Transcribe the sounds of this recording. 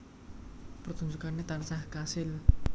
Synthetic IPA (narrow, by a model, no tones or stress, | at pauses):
pərt̪unsukanet̪ansahkasɪl